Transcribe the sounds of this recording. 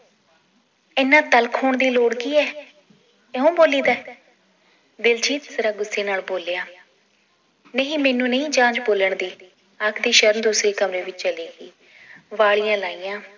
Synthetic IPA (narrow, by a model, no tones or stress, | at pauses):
ɪːnãːt̪əlkʰoːɳd̪iːloːɽɡiːɛː | ɛːũːboːliːd̪aː | d̪ɪld͡ʒiːt̪səɾaːɡʊsːeːnaːlboːlejaː | neːɦĩːmɛːnũːnəĩːd͡ʒãːd͡ʒboːləɳd̪iː | akʰd̪iːʃəɾənd̪uːsɾeːkəmɾẽːʋɪt͡ʃt͡ʃəliːɡiː | ʋaːɭijãːlaːiːjãː